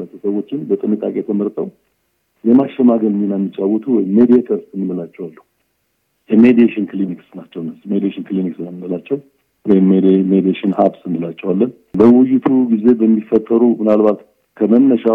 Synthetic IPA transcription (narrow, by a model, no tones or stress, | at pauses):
lat̪ʰusəwo̞t͡ʃːɪnbət̪ʼɨnit̪ʼakʼet̪ʰəməɾt̪ʼəw | jɛmaʃɛmaɡəlɲinamːit͡ʃʼːawːɔt̪ʰuwɔjɪmed̪iet̪ʰəɾst̪ɨnːɨməlat͡ʃːɛwalːəhu | jɛmed̪ieʃɪnkliniksnat͡ʃːɛwnəsmed̪ieʃɪnkɨliniksɨnəmɨməlat͡ʃːɛw | wɔjɪmmed̪ieʃɪnhabsɨnːəlat͡ʃːɛwalːən | bəwʊjɪt̪ʰuɡize̞bəmːifːət̪ʼːəɾumɨnalbat̪ | kʰəmənːəʃa